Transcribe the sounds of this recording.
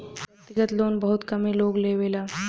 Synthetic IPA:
t̪ɪɡət̪loːnbɐɦʊt̪kɐmẽloːɡleːʋeːlaː

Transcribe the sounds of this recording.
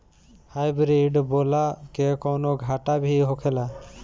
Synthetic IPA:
hajbɾiɖbolakekɔwnoɡʱaʈabʱiɦokʰela

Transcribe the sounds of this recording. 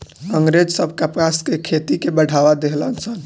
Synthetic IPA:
əŋɡɾed͡ʒsəbʱkapkaskekʰet̪ikebəɽ̤ʱaʋad̪eɦlənsən

